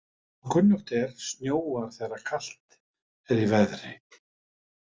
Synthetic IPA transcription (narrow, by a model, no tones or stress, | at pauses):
kʰʏnjʏxt̪ɛɾ̥snjoːwaɾ̥θɛrakʰal̥t̪ | ɛɾivɛðɾɪ